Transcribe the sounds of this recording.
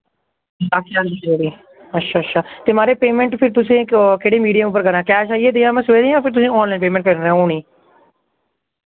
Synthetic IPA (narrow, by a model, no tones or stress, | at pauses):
akʰːaːɾd͡ʒieɾiː | ətːʃʰaːətːʃʰaːt̪eːmaːɾeːpeːmɛ̃ːɳʈpʰɪɾt̪ʊsĩːkeːɽeːmiːɖijəmup̬ːəɾkəɾãːkɛːʃaːieːt̪eːãːmɛ̃ːsəʋeːd̪ẽãːpʰɪɾt̪ʊsĩːɔːnlaːnpeːmɛ̃ːɳʈkəɾɾɛ̃ːoːɳiː